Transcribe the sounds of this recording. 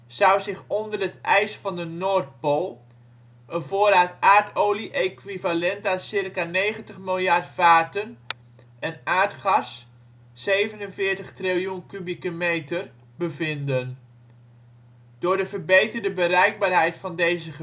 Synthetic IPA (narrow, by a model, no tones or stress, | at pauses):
z̥ʌwzɪχɔndərɦətʔɛjsfɑndənoːrt̚polˠ | ʔənvʊːɾaːtaːrtowliʔejkwivalɛntasɪrkanejχəntəχmɪlˠjɑrtfaːrtən | ʔənaːɹtχɑsː | ejvənənvɪːɹtəχtrilˠjunkybikəmejtər | bəvɪndən | d̥ʊːɹdəvəbejtərdəbərɛjɡ̚baːrɦɛjtfɑndejzəə